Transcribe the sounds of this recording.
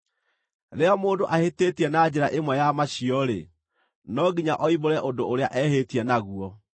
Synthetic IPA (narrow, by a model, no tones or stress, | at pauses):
ɾeɔmoːndoʔaheteːtiɛnad͡ʑɛɾaʔemwɛjamaɕiɔɾḛ | nɔɡiɲaʔɔiβoɾɛʔondoʔoɾeaʔɛhetiɛnaɣuɔ